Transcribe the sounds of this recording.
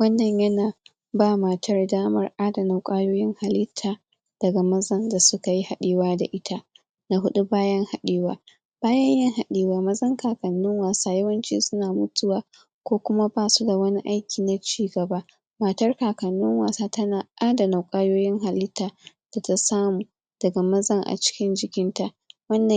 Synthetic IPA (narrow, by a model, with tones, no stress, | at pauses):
wɐ˦nːɐ˨ɲjɐ˦naː˨ | baː˦˨ma˨tʰɐ˦rdaː˦mɐ̰˦rʔaː˦dɐ˨na˨wkʷʼaː˦joː˦jɪ˦ŋha˨lɪ˦tʰːaː˨ | d̥ɐ˨ɡa˨mɐ˦zɐ˦nda˨sʊ˦ka˨ji˦ha˨ɗeː˦waː˦da̰˨ʔɪ˦tʰa˦ʔ | na˦ɦʊ˦ɗu˦baː˦jɐ˦ŋha˨ɗeː˦wa̰ː˦ | b̥aː˦jɐ˦ɲjɐ˦ŋha˨ɗiː˦waː˦mɐ˦zɐ˦ŋkaː˨kɐ˨nːʊ˦ŋwaː˨saː˦jɐ˦wɐ˦nt͡ʃḭː˦sʊ˦naː˨mʊ˦tʊ˦waː˨ | kʷoː˦kʷʊ˦ma˦baː˦˨su˦da˨wɐ˦ni˦ʔa˦jkʲiː˨na˨t͡ʃiː˦ɡɐ˨ba˦ | mɐ˨tɐ˦rkaː˨kɐ˨nːʊ˦ŋwaː˨saː˦tɐ˦naː˨ʔʔaː˦dɐ˨na˨kʷʼaː˦joː˦jɪ˦ŋɦa˨lɪ˦tʰːaː˨ | d̥a˨ta˦saː˦muː˨ | d̥ɐ˨ɡa˨mɐ˦zɐ˦ŋʔa̰˨t͡ʃɪ̥˦kʲɪ˦nd͡ʒɪ˦kʲɪ˦nta˦ | wɐ˦nːɐ˨